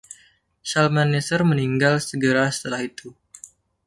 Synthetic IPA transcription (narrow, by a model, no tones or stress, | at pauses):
salmanːesərməniŋɡalsəɡəɾasə̥t̪əlahit̪u